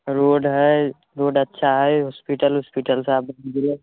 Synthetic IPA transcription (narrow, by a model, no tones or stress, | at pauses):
ɾoːɖɦɛ | ɾoːɖətːʃʰaɦɛjɦɔspiʈəlɦɔspiʈəlseaːp̚bnɡ̪ile